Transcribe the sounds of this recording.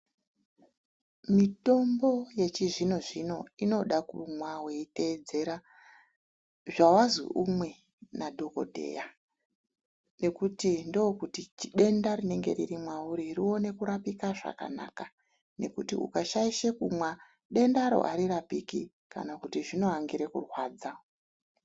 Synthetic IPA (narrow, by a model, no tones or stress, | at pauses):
mito̞mbo̞je̞t͡ʃiʐino̞ʐino̞ino̞ɗakumwaweite̞ːd͡ze̞ɾa | ʐawazwḭʔumwe̞ | nadʱo̞ko̞̰dʱe̞̰ja | ne̞kutindookutit͡ʃiɗe̞ndaɾine̞ŋɡe̞̰riɾimwauɾirio̞ne̞kuɾapikaʐa̰ka̰na̰ːka | ne̞kutiṵkaʃaiʃekumwa | ɗe̞ndaɾo̰ʔaɾirapiki | ka̰nakutiʐino̞aŋɡiɾekṵrwaːd͡za